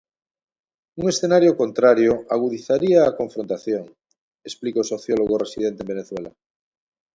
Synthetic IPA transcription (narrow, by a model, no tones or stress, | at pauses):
uŋesθenaɾjokont̪ɾaɾjoaɣ̞uðiθaɾiaːkõɱfɾont̪aθjoŋ | esplikoso̞θjoloɣoresiðent̪embeneθwela̰